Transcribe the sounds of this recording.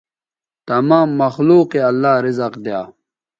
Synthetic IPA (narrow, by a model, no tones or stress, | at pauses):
t̪ɐmaːmːɐxluːqeɐlːaːɾizɐqd̪jaː